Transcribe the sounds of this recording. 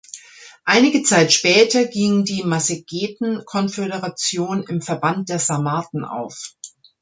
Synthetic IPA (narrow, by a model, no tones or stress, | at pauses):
ʔaɪnɪɡət͡saɪtʃpɛːtɐɡiŋdiːmaseɡ̥eːtn̩kʰɔnfeɾəʁat͡sjoːnɪmfɛɐbant̚d̥eːɐzamaːtn̩ʔa̰ʊf